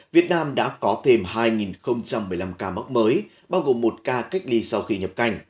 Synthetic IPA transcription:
vi˨˩ət̚naː˧mɗa̰ː˧˥kɔ˨˦t̪ʰe˧mɦaː˧jŋi˨˩nxə˧wŋ͡mt͡ɕa˧mːɨ˨˩əjla˧mkaː˧ma˦˥k͡p̚məː˨˦j | ɓaː˧wɣo˨˩mːo˨˩t̚kaː˧ka˦˥jk̟̚li˧sa˧wxi˧ɲə˨˩p̚ka˧jŋ̟

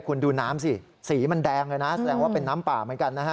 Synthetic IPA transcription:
kʰu˧nduː˧naː˦˥msi˧˩ | siː˩˦ma˧ndɛː˧ŋlɤː˧jna˦˥sa˧dɛː˧ŋwaː˥˩pe˧nːaː˦˥mpaː˨˩mɯ˩˦nka˧nːa˦˥kʰa˦˥

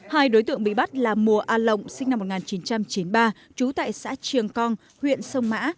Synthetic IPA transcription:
haː˧jɗo˨˦jt̪ɨ̰˧˨əŋɓḭ˧˨ɓa˦˥t̚laː˨˩mu˨˩əʔaː˧lə̰˧˨wŋ͡msi˧ŋ̟na˧mːo˨˩t̚ŋaː˨˩nt͡ɕi˨˦nt͡ɕa˧mt͡ɕi˨˦nɓaː˧ | t͡ɕu˨˦t̪a̰ː˧˨jsa̰ː˧˥t͡ɕɨ˨˩əŋkɔ˧n | hwḭ˧˨ənsə˧wŋ͡mma̰ː˧˥

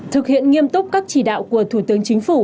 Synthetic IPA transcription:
t̪ʰɨ˨˩k̚hḭ˧˨ənŋi˧əmt̪ʊ˦˥k͡p̚kaː˦˥k̚t͡ɕi˧˩ɗa̰ː˧˨wku˧˩ət̪ʰu˧˩t̪ɨ˨˦əŋt͡ɕï˨˦ŋ̟fu˧˩

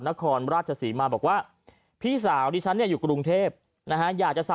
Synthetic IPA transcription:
na˦˥kʰɔː˧nɾaː˥˩t̚t͡ɕʰa˧siː˩˦maː˧bɔː˨˩k̚waː˥˩ | pʰiː˥˩saː˩˦wdiː˧t͡ɕʰa˦˥nːi˥˩juː˨˩kɾu˧ŋt̪ʰeː˥˩p̚ | na˦˥ka˦˥jaː˨˩k̚t͡ɕa˨sa˨˩

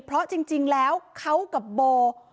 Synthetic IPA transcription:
pʰɾɔ˦˥t͡ɕi˧ŋt͡ɕi˧ŋlɛː˦˥wkʰa˦˥wka˨˩p̚boː˧

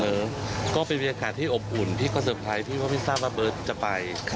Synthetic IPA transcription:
lɤː˦˧˥mkɔː˥˩pe˧nba˧nja˧kaː˨˩t̪ʰːiː˥˩ʔo˨˩p̚ʔu˨˩npʰiː˥˩kʰɔː˧˥˩s̬ɤː˧˩p̪̚ʰa˧jpʰiː˥˩waː˥˩ma˥˩jsaː˥˩p̚waː˥˩bɤː˦˥t̪̚t͡ɕa˨˩pa˧jʰ

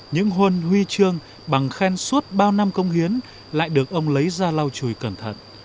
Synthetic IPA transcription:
ɲɨ̰˧˥ŋɦə˧nhwi˧t͡ɕɨ˧əŋ | ɓa˨˩ŋxɛ˧nsu˦˥t̚ɓaː˧wna˧mkə˧wŋ͡mhi˨˦ən | la̰ː˧˨jɗɨ˨˩ək̚ʔə˧wŋ͡mlə˨˦jzaː˧la˧wt͡ɕu˨˧˩jkə˧˩nt̪ʰə̰˧˨n

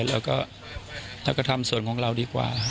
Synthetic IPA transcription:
lɛː˧˥˩wkɔː˥˩ | lɛː˧˥wkɔː˥˩t̪ʰa˧msu˨˩˦ənkʰɔː˩˦ŋɾa˧wdiː˧kwa̰ː˨˩

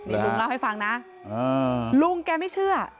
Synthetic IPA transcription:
i˥˩˧u˧ŋlaː˧wha˥˩jfa˧ŋna˦˥ | əː˧lu˧ŋkɛː˧ma˥˩jt͡ɕʰɯ˥˩ɐ

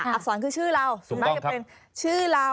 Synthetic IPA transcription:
a˨˩sɔː˩˦nkʰɯː˧t͡ɕʰɯː˥˩ɾa˧wsu˨˩˦ma˦˧ka˥˩˦pe˧n | t͡ɕʰɯː˥˩ɾa˧

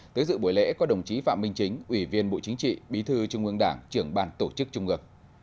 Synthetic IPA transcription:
t̪əː˨˦jsɨ̰˧˨ɓu˨˩jlɛ̰˧˥kɔ˨˦ɗə˨˩wŋ͡mt͡ɕi˨˦fa̰ː˧˨mï˧ŋ̟t͡ɕï˨˦ŋ̟ʔwi˧˩vi˧ənɓo̰˧˨t͡ɕï˨˦ŋ̟t͡ɕḭ˧˨ɓi˨˦t̪ʰɨ˧t͡ɕʊ˧ŋ͡mʔɨ˧əŋɗaː˧˩ŋt͡ɕɨ˧˩əŋɓaː˧˩nt̪o˧˩t͡ɕɨ˦˥k̚t͡ɕʊ˧ŋ͡mʔɨ˨˩ək̚

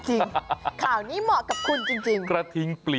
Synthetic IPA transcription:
t͡ɕi˧ŋkʰaː˨˩wniː˦˥mɔː˨˩ka˨˩p̚kʰu˧nt͡ɕi˧ŋt͡ɕi˧ŋkɾa˧t̪ʰi˦˥ŋpli˨˩

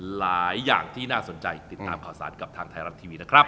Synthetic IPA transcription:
laː˨˩˦jːaː˨˩ŋt̪ʰiː˥˩naː˥˩so˨˩˦nt͡ɕa˧jt̪i˨˩t̪ːaː˧mkʰaː˩wsa̰ː˩˦nka˨˩p̚t̪ʰaː˧ŋt̪ʰa˧jɾa˦˥t̪ʰːiː˧wiː˧na˦˥kʰɾa˦˥p̚

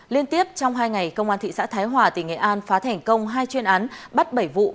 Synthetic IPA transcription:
li˧ənt̪i˦˥əp̚t͡ɕɔ˧wŋ͡mɦaː˧jŋa˨˩jkə˧wŋ͡mʔaː˧nt̪ḭ˧˨sa̰ː˧˥t̪ʰaː˨˦jɦwaː˨˩t̪i˧˩ŋḛ˧˨ʔaː˧nfaː˨˦t̪ʰɛ˨˩jŋ̟kə˧wŋ͡mɦaː˧jt͡ɕwi˧ənʔaː˨˦nɓə˦˥t̚ɓə˧˩jvṵ˧˨

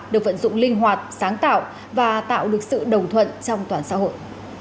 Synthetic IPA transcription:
ɗɨ˨ək̚və̰˧˥nzʊ̰˧˨ŋ͡mlï˧ŋ̟ɦwaː˨˩t̚saː˨˦ŋt̪a̰ː˧˨w | vaː˨˩t̪a̰ː˧˨wɗɨ˨˩ək̚sɨ̰˧˨ɗə˨˩wŋ͡mt̪ʰwə̰˧˨nt͡ɕɔ˧wŋ͡mt̪waː˨˩nsa̰ː˧˥ɦo̰˧˨j

